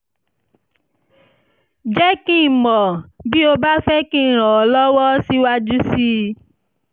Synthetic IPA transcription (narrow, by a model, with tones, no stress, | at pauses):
d͡ʒɛ˦kĩ˦˨mɔ̃˨bi˦o˧ba˦fɛ˦kĩ˦˨ɾ̃ɔ̃˨ɔ˨lɔ˦wɔ˦si˦wa˦d͡ʒu˦si˦